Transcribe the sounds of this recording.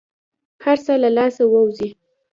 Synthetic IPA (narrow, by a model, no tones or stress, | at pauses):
haɾsalalɑsawəwzi